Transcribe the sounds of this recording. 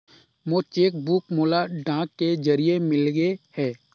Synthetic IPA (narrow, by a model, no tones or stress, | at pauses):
moːt͡ʃeːk̚buːkmoːlaɖãːkːed͡ʒəɾiemɪlɡehɛː